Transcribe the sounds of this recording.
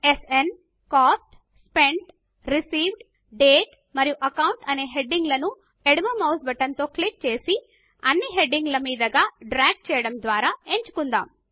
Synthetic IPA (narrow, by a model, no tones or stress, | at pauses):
esen | kaːsʈ | speɳɖ | ɾisiːʋɖ | ɖeːʈ | mɐɾijuʔɐkɐwɳʈɐne̞ːɦe̞ɖːiŋɡlɐnu | eɽimɐmɐwsbɐʈɐnt̪o̞ːklik̚t͡ʃe̞ːsi | ɐnːiɦe̞ɖiŋɡlɐmiːd̪ɐɡaːɖɾaːɡ̚ʈ̚t͡ʃɛːjɐɽɐmd̪ʋaːɾaːeɲt͡ʃu̥kund̪a̰ːm